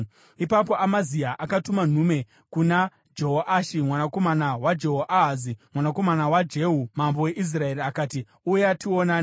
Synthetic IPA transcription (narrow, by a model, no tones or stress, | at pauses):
ipapo̞ʔamaziaʔakatuman̤ume̞ | kuna | d͡ʒo̞ɦoʔaʃimwanako̞manawad͡ʒeɦoʔaɦazimwanako̞manawad͡ʒe̞ɦumambo̞we̞ʔis̬rae̞ɾiakaːti | ujeationaːn